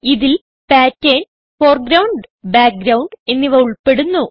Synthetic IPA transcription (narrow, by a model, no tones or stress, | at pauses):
iðil | paːtːeːn | foːrɡɾɐwɳɖbaːk̚ɡɾɐwɳɖe̞nːiʋɐuɭpe̞ɽunːu